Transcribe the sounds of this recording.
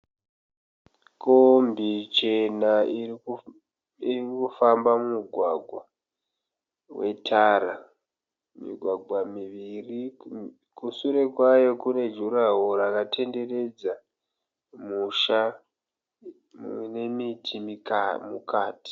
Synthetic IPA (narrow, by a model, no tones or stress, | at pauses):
kombit͡ʃe̞na | irikufambamumuɡʱwaɡʱwa | we̞tʰaɾa | mḭɡʱwaɡʱwamiiri | kusuɾe̞kwajo̞kune̞d͡ʒuɾaɦoɾakatʰe̞nde̞re̞d͡za | muʃa | ne̞mitʰimimukaːti̥